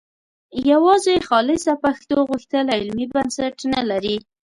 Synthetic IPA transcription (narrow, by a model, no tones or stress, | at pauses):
jawɑzeexɑlɪsapaxt̪oɣuxt̪əlaɪlmibansaʈnalaɾi